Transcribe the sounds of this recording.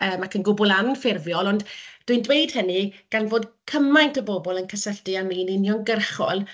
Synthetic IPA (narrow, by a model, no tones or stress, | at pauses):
əːmakʰənɡʊbʊlˠanfɪrvjɔlˠɔndd̥wiɨndwejd̥hənɨɡ̥anvoːdkʰəmajntʰəbɔbɔlˠənkʰəsəɬtɨaniːnɪnjɔnɡərχɔ̰lˠ